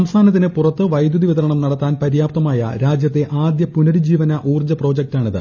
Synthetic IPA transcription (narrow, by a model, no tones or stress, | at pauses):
ɐmst̪ʰaːnɐt̪̬ːinɨpurɐt̪ːɨʋɐjd̪juðiʋiðɐɾɐɳɐmnɐɽɐt̪ːaːnpɐɾijaːp̚t̪ɐmaːjɐ̰ɾaːd͡ʑjɐt̪ːe̞ʔaːd̪jɐpunɐɽid͡ʑiːʋɐnɐʔuːrd͡ʑɐpro̞ːd͡ʑek̚taːɳiðɨ̰